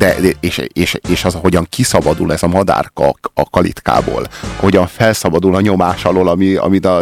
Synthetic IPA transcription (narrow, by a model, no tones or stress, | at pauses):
d̪̥ɛɛeːʃeːʃeːʃɒzɒɦo̞ɟɒŋkisɒbɒd̪ulɛzɒmɒd̪a̰ːrkɒkɒlḭt̪ka̰ːbo̰ːlɒhoɟɒɱfɛlsɒbɒd̪ulɒɲo̞maːʃɒloːlɒmiɒ̰mit̪ɒ